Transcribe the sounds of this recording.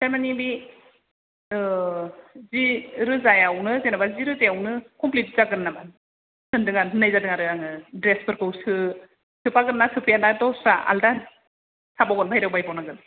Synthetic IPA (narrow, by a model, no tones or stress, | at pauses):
seɾmanibi | ziɾɯzajawnɯzenabaziɾɯzejawnɯkɔmplit̚zaɡɯɾnaban | sʰɯndɯŋanɯnajzadɯŋaɾɯaŋɯdɾespʰɯɾkʰɯwsɯ | tʰɯpaɡɯɾnatʰɯpʰijanadɔsaʔa̰lda | sʰabaɡɔnbʱajɾawbajpawnaɡɯn